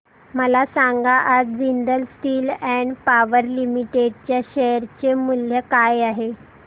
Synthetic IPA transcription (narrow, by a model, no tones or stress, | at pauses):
məlasaŋɡaʔad͡zd͡zind̪əlsʈiːlɛɳɖpaʋəɾlimiʈeɖt͡ɕjaɕəjəɾt͡ɕemul̤jəkajaɦe